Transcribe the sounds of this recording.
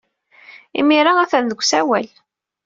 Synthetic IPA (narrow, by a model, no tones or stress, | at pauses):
ḭmiɾaæθænðəɡʷːsæwæl